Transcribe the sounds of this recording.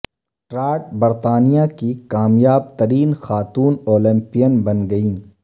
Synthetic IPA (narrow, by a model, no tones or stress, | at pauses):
ʈɾaːʈ̚bɐɾt̪aːnijakikaːmjaːb̚t̪ɐɾiːnxaːt̪uːnoːlɪ̃mpijənbɐnɡɐĩː